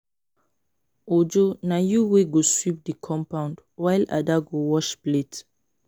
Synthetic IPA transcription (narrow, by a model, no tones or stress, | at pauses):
od͡ʒonajuweɡoswip̚dikʰɔ̃mpãʊ̃ndwajla̰daɡowɔʃplet